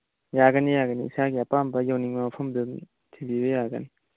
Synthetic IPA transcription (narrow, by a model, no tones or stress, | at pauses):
jaɡɐnijaɡɐniːsaɡiapambɐjawniŋmɐpʰɐmdu | tʰibibejaɡɐ̰ni